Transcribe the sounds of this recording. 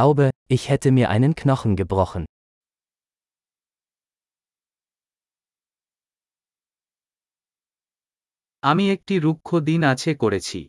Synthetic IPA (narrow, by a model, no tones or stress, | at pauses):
aʊbeɪçhɛtəmiɐʔa̰ɪnənkʰnɔxn̩ɡəbʁɔxn̩ | amiek̚ʈiɾukʰːod̪inat͡ɕʰekoɾet͡ɕʰḭ